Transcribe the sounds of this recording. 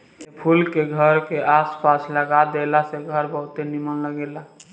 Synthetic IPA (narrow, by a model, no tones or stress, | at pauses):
epʰulkeɡʱəɾkeʔaspasləɡad̪elaseɡʱəɾbəɦut̪enimənləɡela